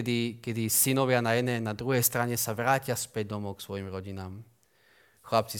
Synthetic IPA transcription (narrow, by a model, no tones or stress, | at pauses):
ɛd̪ikɛd̪isinɔʋɪanajɛd̪nɛnad̪ɾuɦɛjst̪ɾaɲɛsaʋɾaːcɪaspɛɟ̚d̪ɔmɔksʋɔjimɾɔɟinaːm | xlap̚t͡si